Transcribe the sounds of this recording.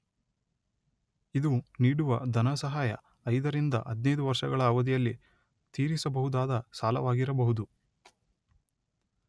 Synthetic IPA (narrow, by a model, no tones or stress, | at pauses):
id̪uniːɽuʋɐd̪ʱɐnɐsɐɦaːjɐ̰ | ɐjd̪ɐɾind̪ɐ̰ʔɐd̪nɐjd̪uʋɐɾʂɐɡɐɭɐːʋɐd̪ijɐlːi | t̪iːɾisɐbɐɦud̪aːd̪ɐsaːlɐ̰ʋaːɡiɾɐbɐɦud̪u